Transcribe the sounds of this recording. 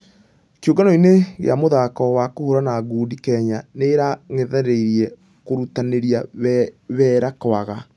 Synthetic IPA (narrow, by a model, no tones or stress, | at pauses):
kjoɡanɔineɣḛa̰moðakɔwakohoɾanaɡuːdikɛɲaneɾaŋɛðɛɾeiɾiɛ | koɾutaneɾia | βɛːɾakwaɣa